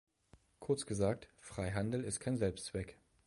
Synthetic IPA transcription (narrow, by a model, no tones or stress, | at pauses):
kʰʊɐt͡sɡ̥əzaːk̚tfʁ̥aɪɦandl̩ɪstkʰaɪnzɛlpstt͡sv̥ɛk